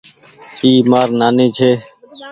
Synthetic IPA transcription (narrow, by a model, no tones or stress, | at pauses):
iːmaːɾnaːnĩːt͡ʃʰeː